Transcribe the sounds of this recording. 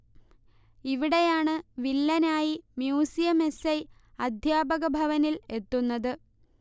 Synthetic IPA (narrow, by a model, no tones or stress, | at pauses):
iʋiɽe̞jaːɳɨʋilːɐnaːjimjuːsijɐme̞sɐj | ɐd̪ʱjaːbɐɣɐbʱɐʋɐnile̞t̪ːunːɐðɨ